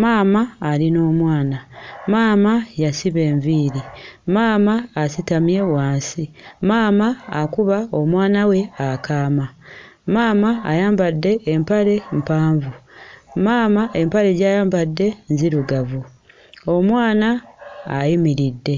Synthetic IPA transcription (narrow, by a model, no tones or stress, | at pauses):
maːmaːlino̞ːmwaːnamaːmajasiβe̞ːɱviːɾimaːmaːsitamje̞waːnsimaːmaːkuβao̞mwaːnawe̞akaːma | maːmaːjaːmbadːe̞ʔːmpale̞m̩paːɱvumaːmaʔe̞mpaɾe̞ɟaːjaːmbadːe̞nziɾuɡavu | o̞mwaːnaː | jimiɾidːe̞